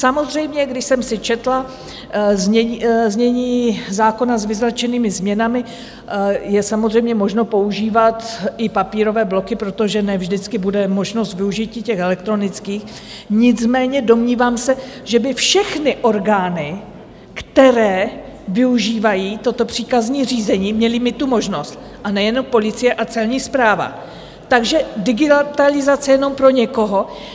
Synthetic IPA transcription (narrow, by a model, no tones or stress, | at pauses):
samo̞zr̝ɛjmɲɛɡdɪʃsɛmsɪt͡ʃɛt̪la | zɲɛzɲɛɲiːzaːko̞nazvɪzlat͡ʃɛniːmɪzmɲɛnamɪ | jɛsamozr̝ɛjmɲɛmo̞ʒno̞po̞uʒiːvat̪ɪpapiːɾo̞vɛːblo̞kɪpɾo̞t̪o̞ʒɛnɛvʒdɪt͡skɪbudɛmo̞ʒno̞st̪vɪuʒɪciːcɛxɛlɛk̚t̪ɾo̞nɪt͡skiːx | ɲɪt͡smɛːɲɛdo̞mɲiːvaːmsɛʒ̥ɛbɪfʃɛxnɪʔo̞ɾɡaːnɪ | kt̪ɛɾɛːvɪuʒiːvajiːt̪o̞t̪o̞pr̝̥iːkazɲiːriːzɛɲiːmɲɛlɪmɪt̪umo̞ʒno̞st̪̚ | ʔanɛjɛno̞mpo̞lɪt͡sɪjɛʔat͡sɛlɲiːspɾaːva̰ | t̪aɡʒɛdɪɡɪt̪alɪzat͡sɛjɛno̞mpɾo̞ɲɛko̞ɦo̞